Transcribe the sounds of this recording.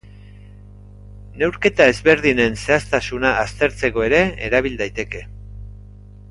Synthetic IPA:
ne̞wɾke̞t̪ae̞zβe̞ɾðine̞nse̞ast̪asunaːst̪e̞ɾt͡se̞ko̞e̞ɾe̞eɾaβ̞ild̪ajt̪e̞ke̞

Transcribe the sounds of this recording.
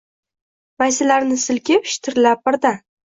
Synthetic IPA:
majsɪlaɾnɪsɪlkʲɪpʃɪ̥t̪ʰɪɾlap̚bɪɾd̪a

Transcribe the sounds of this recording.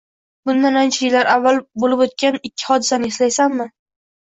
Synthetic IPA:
bʊnd̪anant͡ʃʰajɪlːaɾavːalˠbolɪpot̪̚kʲanɪkʲʰːɪ̥hɒd̪ɪsanɪɪslajsamːɪ

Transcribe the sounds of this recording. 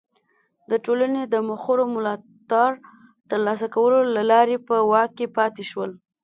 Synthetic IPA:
d̪əʈolaned̪əmʊxoɾomʊlɑ | t̪ɑɽ | t̪əɾlɑsakawəlolalɑɾepəwɑkkːepɑt̪eʃwəl

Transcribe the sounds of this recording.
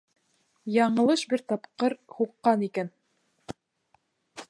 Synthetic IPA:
jɑɴɤ̆lˠɤʃbɘɾt̪ɑpqɤɾhuqːɑnikæn

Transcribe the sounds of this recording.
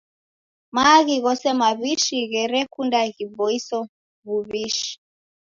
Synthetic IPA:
maɣiɣɔsɛmaβiʃiɣɛɾɛkundaɣiβɔisɔ | βuβiʃi̥

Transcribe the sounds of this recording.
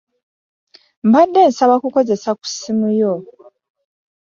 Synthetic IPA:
mbadːe̞ːnsaβakuko̞ze̞saku̥simujo

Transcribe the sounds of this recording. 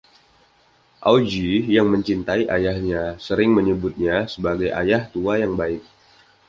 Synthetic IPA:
ʔawd͡ʒijaŋməɲt͡ʃint̪aiʔajahɲasəɾɪŋməɲəbʊt̪̚ɲasəbaɡajʔa̰jaht̪uajaŋbaɪk̚

